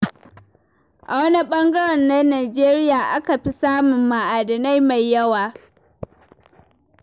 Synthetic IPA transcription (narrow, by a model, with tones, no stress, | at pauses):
ʔa̰˨wɐ˦ni˦ɓɐ˦ŋɡɐ˦ɽɐ˨nːa˦naː˨d͡ʒeː˦ɾɪ˦jaː˨ʔa˦ka˨ɸi˦saː˦mʊ˨mːa˨ʔaː˨dɐ˨na˦jma˨jːɐ˦waː˨